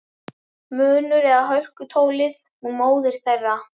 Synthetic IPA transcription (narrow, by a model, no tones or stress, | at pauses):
mœːnʏɾɛɣaɦœɥr̥kʏt̪ʰoːwlɪð | hunmoːwðɪɾ̥θɛrːa